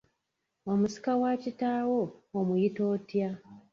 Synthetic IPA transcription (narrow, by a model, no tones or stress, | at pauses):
omusi̥kawacitaːwoːmujito̞ːtja